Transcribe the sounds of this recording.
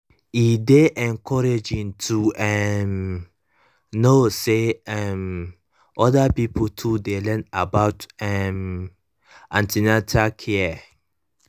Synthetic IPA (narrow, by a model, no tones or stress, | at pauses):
ideʔɛ̃nkʰɔɹed͡ʒĩntʰuɛm | noseɛm | ʔɔdapipotʰudelɛ̃nabaʊtɛm | ʔãntinatʰakʰɛa